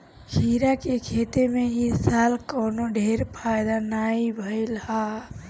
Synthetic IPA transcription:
hʰiɾakekʰet̪emeɦisalkɔːnoɖʱeɾpʰajd̪anaibʱəɪlha

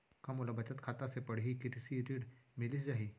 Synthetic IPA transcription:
kɐmolabɐt͡ʃət̪kʰaːt̪asepɐɽ̤ɦikɪt̪ɪsiɾiːɽmɪlisd͡ʒaːɦiː

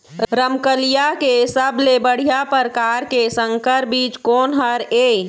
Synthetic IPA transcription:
ɾəmkəlijakesəblebəɽ̤ijapəɾkaɾkesəŋkəɾbiːt͡ʃkoːnɦəɾe

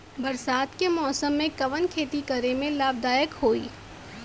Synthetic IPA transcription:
bɐɾsaːt̪kemɔːsəmːẽkɐʋənkʰeːt̪ikɐɾemẽlaːbd̪aːjəkhoːḭː

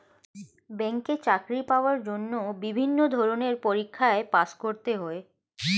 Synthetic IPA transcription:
bɛŋket͡ɕakɾipaoaɾd͡ʑonːobibʱinːod̪ʱɔɾoneɾpoɾikʰːaepaʃkoɾt̪eɦoe

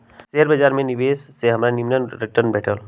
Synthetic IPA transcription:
seɾbəd͡ʒaːɾmẽnibeːsːeɦəmɾanimnənɾiʈəɾnbɛʈʰəl

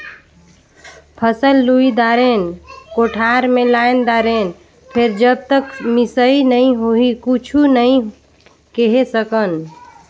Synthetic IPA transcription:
pʰəsəlːuid̪aɾenkoʈʰaɾmẽlaend̪aɾen | pʰeɾd͡ʒəb̚t̪əkmisəinəĩɦoɦikut͡ʃʰunəĩ | keɦesəkən

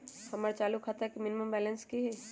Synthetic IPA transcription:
hɐməɾt͡ʃaːlukʰaːt̪aɦɛkimɪnɪməmbɛːlə̃nskiɦɛː

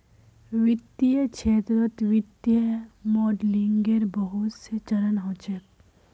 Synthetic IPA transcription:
ʋɪt̪ːiət͡ʃʰeːt̪ɾot̪ʋɪt̪ːjəmɔːɖliŋɡeɾbəɦʊt̪set͡ʃɐɾənɦoːt͡ʃək

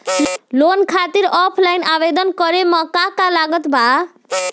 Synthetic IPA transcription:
lonkʰat̪iɾɔpʰlajnabed̪ɔnkɔɾemɔ̃kakalaɡɔt̪bʱa

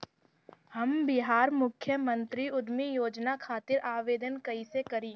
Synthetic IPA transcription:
hɐmbɪɦaːɾmʊkʰjəmə̃nt̪ɾiʊd̪mijoːd͡ʒnakʰaːt̪ɪɾʔaːʋeːd̪ənkɐisekɐɾĩː

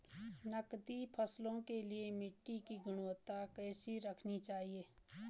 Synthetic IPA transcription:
nəkt̪ipʰəslõkeliemɪʈːikiɡʊɽ̃ət̪akɛːsiɾəkʰnit͡ʃaːɦieː

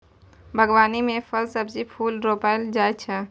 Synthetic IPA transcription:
bʱəɡʋaːnimẽfʰəɾsəbd͡ʒipʰuːlɾoːpaːɪld͡ʒaːjt͡ʃʰə

